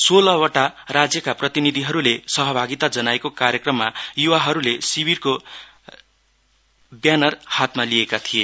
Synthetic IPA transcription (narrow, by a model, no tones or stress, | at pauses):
solʌwaʈarad͡zjʌkaprʌt̪inid̪ʱiɦʌɾulesʌɦʌbʱaɡit̪ad͡zʌnaekokaɾjʌkrʌmːajuwaɦʌɾulesibirko | bjanʌrhat̪malijekat̪ʰije